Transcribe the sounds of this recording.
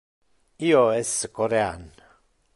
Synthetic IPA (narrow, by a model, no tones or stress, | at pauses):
ioeskʼoɾean